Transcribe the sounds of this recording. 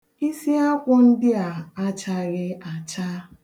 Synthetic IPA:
i˦si˦a˦kʷʊ˦n̩˦dɪ˦a˨a˦t͡ʃa˦ɾɪ˦a˨t͡ʃa˦

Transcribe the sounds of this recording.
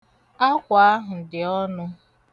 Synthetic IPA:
a˦kʷa˨a˦ɦʊ˨dɪ˨ɔ˦nʊ˦

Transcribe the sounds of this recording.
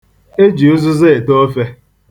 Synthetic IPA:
e˦d͡ʒi˨u˦zʊ˦ze˦e˨to˦fe˦

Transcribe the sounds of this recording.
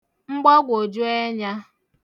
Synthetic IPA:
ŋ͡m̩˦ɡ͡bɔ˦ɡʷo˨d͡ʒu˦e˦ɲa˦

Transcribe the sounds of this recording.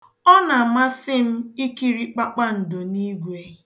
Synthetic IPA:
ɔ˦na˨ma˦sɪ˦m̩˦i˦ki˦ɾi˦k͡pa˦k͡pa˦n̩˨do˨ni˦ɡʷe˦

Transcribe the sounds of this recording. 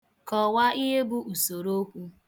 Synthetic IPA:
kɔ˨wa˦ʔi˦ɦe˦bʊ˦ʔu˨so˨ɾo˦kʷu˦

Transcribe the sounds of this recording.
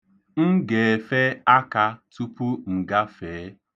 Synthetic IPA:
ŋ̩˦ɡe˨e˨fe˦a˦ka˨tu˦pu˦ŋ̩˨ɡa˦feː˨˦

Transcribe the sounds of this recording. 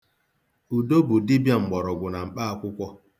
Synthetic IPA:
u˨do˦bu˨di˦bja˨ŋ͡m̩˨ɡ͡bɔ˨ɾɔ˨ɡʷʊ˨na˨m̩˨k͡pa˦a˨kʷʊ˦kʷɔ˦

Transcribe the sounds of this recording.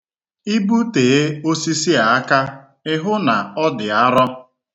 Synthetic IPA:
i˦bu˦te˨e˦o˦si˦si˦a˨a˦ka˦ | ɪ˦ɦʊ˦na˨ɔ˦dɪ˨a˦ɾɔ˦

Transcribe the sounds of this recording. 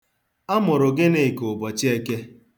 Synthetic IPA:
a˦mʊ˨ɾʊ˨ɡɪ˦ne˦˨ko˨bɔ˨t͡ʃi˦e˦ke˦

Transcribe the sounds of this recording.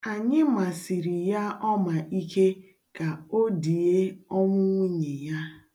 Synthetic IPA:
a˨ɲɪ˦ma˨si˨ɾi˨ja˦ʔɔ˦ma˨i˦ke˦ | ka˨o˦di˨e˦ɔ˦ŋʷʊ˦ŋʷi˦ɲe˨ja˦

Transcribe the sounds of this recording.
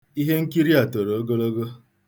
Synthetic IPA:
i˦ɦe˦ŋ̩˦ki˦ɾi˦a˨to˨ɾo˨o˦ɡo˦lo˦ɡo˦

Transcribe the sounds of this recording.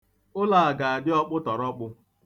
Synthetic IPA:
ʊ˦la˨a˨ɡa˨a˨dɪ˦ɔ˦k͡pʊ˦tɔ˨ɾɔ˦k͡pʊ˦

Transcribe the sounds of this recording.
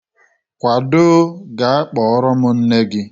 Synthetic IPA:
kʷa˨dʊ˦ɡa˨a˦k͡pɔ˨ɔ˦ɾɔ˦mʊ˦n̩˦ne˦ɡɪ˦

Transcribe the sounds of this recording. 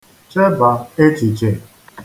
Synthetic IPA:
t͡ʃe˦ba˨e˦t͡ʃi˨t͡ʃe˨

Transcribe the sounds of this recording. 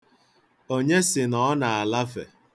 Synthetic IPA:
o˦ɲe˦sɪ˨nɔ˦ɔ˦na˨a˨la˦fḛ˨

